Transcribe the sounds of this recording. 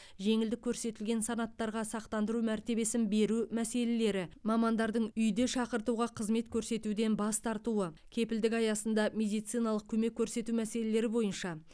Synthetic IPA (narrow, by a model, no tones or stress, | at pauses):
ʒe̞ŋɪld̪ɪkʲʰːɵɾse̞t̪ɪlɡʲe̞nsɑnɑt̪ːɑɾʁɑsɑqt̪ɑnd̪əɾumæɾt̪e̞be̞sɪnbe̞ɾumæse̞le̞le̞ɾɪmɑmɑnd̪ɑɾd̪əɴʏjd̪e̞ʃɑqəɾt̪uʁɑqʰəzme̞t̪kʲʰɵɾse̞t̪ud̪e̞nbɑst̪ʰɑɾt̪uwəkʲʰe̞pɪld̪ɪkɑjɑsənd̪ɑmʲe̞d̪ijt̪sijnɑlˠəq̚kʲʰɵme̞kʲʰːɵɾse̞t̪umæse̞le̞le̞ɾɪbo̞jənʃɑ